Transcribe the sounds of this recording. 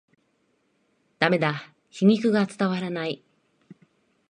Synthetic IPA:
d̪̥ame̞d̪a | çiɲ̟ikɯ̟ɡat͡sɨ̥t̪aβaɾanai

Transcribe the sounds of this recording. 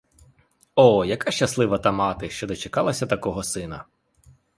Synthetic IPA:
ɔjɐkaʃt͡ʃɐslˠɪʋɐt̪ɑmɑt̪ɪʃt͡ʃɔd̪ɔt͡ʃekɑlˠɐsʲɐt̪ɐkɔɦɔsɪnɐ

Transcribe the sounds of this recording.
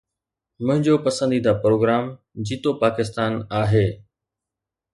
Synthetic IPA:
mʊ̃ɦɪ̃ɲd͡ʑopɐsə̃nd̪id̪ʱaːpɾoːɡɾaːm | d͡ʑiːt̪opaːkɪst̪aːnaːɦeː

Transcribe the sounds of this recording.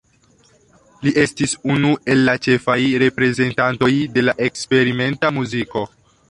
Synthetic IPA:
liʔe̞stisunue̞lːat͡ʃe̞fajɾe̞pɾe̞ze̞ntanto̞jde̞laʔe̞kspe̞ɾime̞ntamuziko̞

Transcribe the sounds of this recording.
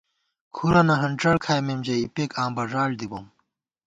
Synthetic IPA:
kʰuɾɐnɐɦɐɳʈ͡ʂɐɽkʰaːjmemd͡ʑɐipeːkãːmbɐʐaːld̪ibɐm

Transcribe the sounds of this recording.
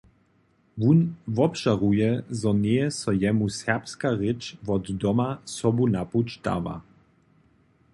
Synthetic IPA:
vunvɔpʃaʁujɛzɔnejɛsɔjɛmusɛʁpskaʁɪt͡ʃvɔddɔmasɔbunaput͡ʃd̪a̰va̰

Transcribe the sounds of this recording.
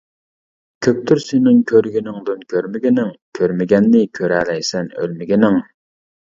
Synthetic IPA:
kʲʰøp̚t̪ʰyɾsenɪŋkʲʰøɾɡʲinɪŋd̪ɨnkʲʰøɾmɪɡʲɪnɪŋkʲʰøɾmɪɡʲɛnːɪkʲʰøɾɛlɛjsɛnø̰lmɪɡʲɪnɪŋ

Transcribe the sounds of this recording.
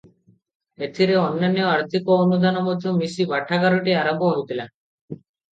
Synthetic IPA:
et̪ʰiɾeɔnːanijɔaɾt̪ʰikoonud̪anɔmɔd̪ʱjomisibaʈʰaɡaɾoʈiaɾɔpoɦot̪ila

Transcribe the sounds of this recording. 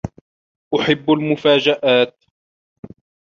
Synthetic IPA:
ʔʊħɪbːalmʊfaːd͡ʒaʔaːt̪̚

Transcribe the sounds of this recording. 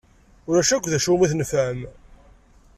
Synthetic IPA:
ʊɾæʃækʷːðæʃumiθnəfæm

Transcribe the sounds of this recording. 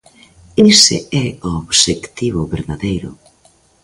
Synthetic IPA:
isḛɛooβʃekt̪iβʊβeɾðaðejɾʊ̰

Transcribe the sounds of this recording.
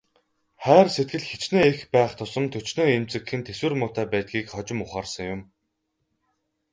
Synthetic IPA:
χæːrset̪̚ɡɘ̆ɮxet͡ɕneːexpæːχt̪ʰʊsə̆mt̪ʰɵt͡ɕnoːemt͡sɘ̆kxɘ̆nt̪ʰeswɘ̆rmʊːt̪æːpæːt̪̚ɡiːkχɔt͡ɕɪ̆mʊχaːrsə̆ŋjʊm

